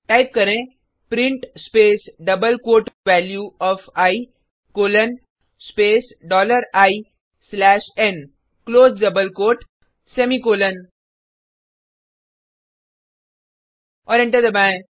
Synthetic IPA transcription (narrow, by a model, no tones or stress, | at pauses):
ʈaːɪp̚kɐɾẽ | pɾɪ̃ɳʈspeːsɖɐbəlkwoːʈʋɛːljuɔːfaːi | koːlən | speːs | ɖɔːləɾaːi | slɛːʃɛn | kloːzɖɐbəlkoːʈ | sɛmikoːlən | ɔːɾɪ̃ɳʈəɾd̪ɐbã